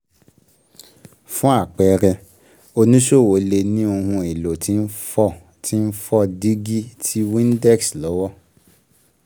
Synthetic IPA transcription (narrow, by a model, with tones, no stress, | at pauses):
fũ˦a˦˨k͡pɛ˧ɾɛ˧ | o˧nũ˦ʃo˦˨wo˨˦le˧nĩ˦o˧hũ˧i˨lo˨tʰi˦n̩˦fɔ˦ | ti˦n̩˦fɔ˦di˦ɡi˦tʰi˦wĩ˦n˦dɛ˦˨kslɔ˨˦wɔ˦